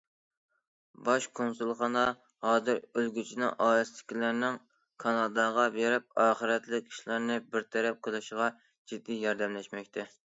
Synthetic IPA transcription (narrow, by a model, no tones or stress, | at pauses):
bɑʃkʰonsulˠχɑnɑ | hɑːzɨɾølɡʲyt͡ʃʰinɪŋʔɑːlɨst̪ɪ̥kʲʰilæɾnɪŋ | kʰɑnɑd̪ɑʁɑbeɾɪp̚ɑːχəɾɛt̪lɪk̚ʲi̥ʃlˠɑɾnɨbɪɾt̪ʰɛɾɛp̚qʰəlˠɨʃʁɑ | d͡ʒid̪ːijɑɾd̪ɛmlɛʃmɛkʲt̪ʰɛ